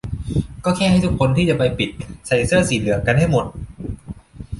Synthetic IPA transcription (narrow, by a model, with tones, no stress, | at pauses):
kɔː˥˩kʰɛː˥˩ɦa˥˩jt̪u˦˥kʰo˧nt̪ʰiː˥˩t͡ɕa˨˩pa˧jpi˨˩t̪̚sa˧˩jsɯ˥˩siː˨˩lɯ˨˩əŋka˧nha˥˩jmo˨˩t̪̚